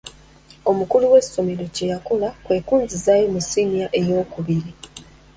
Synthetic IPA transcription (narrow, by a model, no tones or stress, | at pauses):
o̞mukuluwe̞so̞meɾocejakulakwe̞ːkuːnzizaːjomusimiaʔe̞jo̞ːkuβiɾi